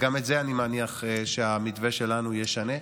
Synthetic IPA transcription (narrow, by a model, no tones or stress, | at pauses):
ɡametzeanimaniaχeʃeamidveʃe̞lanujeʃane̞